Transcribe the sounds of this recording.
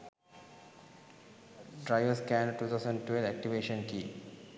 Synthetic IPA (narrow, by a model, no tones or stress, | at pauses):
ɖɾaɪʋəɾskæ̃nʈuːt̪ʰaʊsə̃ɳɖʈwelæk̚ʈiʋeːʃə̃nkiː